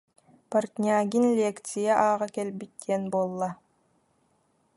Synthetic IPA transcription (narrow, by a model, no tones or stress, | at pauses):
paɾt̪nʲaːɡinlʲeːkt̪sijaʔaːʁakɛlbit̪̚ːiɛnbuɔlˠːa